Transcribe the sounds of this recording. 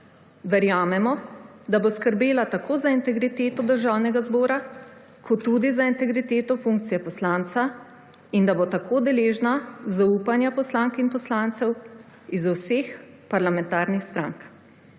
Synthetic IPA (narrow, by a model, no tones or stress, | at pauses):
ʋɛɾjaːmɛmɔ | d̪aboskəɾbeːlat̪akʰoːzaint̪ɛɡɾit̪eːt̪ɔd̪əɾʒaːwnɛɡazbɔːɾa | kʰɔt̪ːud̪izaint̪ɛɡɾit̪eːt̪ɔfuŋkt̪sijɛpɔslant̪sa | ind̪abot̪akʰoːd̪ɛleːʒnazauːpanjapɔslaːŋkinpɔslaːnt̪sɛw | izuwsex | paɾlamɛ̃nt̪aːɾnixst̪ɾa̰ŋk